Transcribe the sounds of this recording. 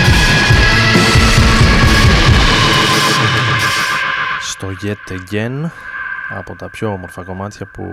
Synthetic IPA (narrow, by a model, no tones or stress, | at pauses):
st̪o̞ʝet̪ːeɟen | ɐ̰po̞t̪ɐpço̞omo̞ɾfɐko̞mɐt̪çɐpṵ